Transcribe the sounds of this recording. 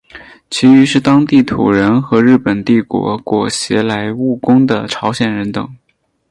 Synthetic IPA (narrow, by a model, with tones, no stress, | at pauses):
t͡ɕʰi˧˥y˧˥ʂɻ̩˥˩t̪ɑ˥ŋt̪i˥˩t̪ʰṵ˨˩ɻə˧˥nxɤ˧˥ɻɻ̩˥˩pə˨˩nt̪i˥˩kwɔ̰˧˥kwɔ˨˩ɕjɛ˧˥la˧˥ɪu˥˩kʊ˥ŋd̪ə̰˨ʈ͡ʂʰɑ˧˥ʊɕjɛ˨˩nɻə˧˥nt̪ɤ˨˩˦ŋ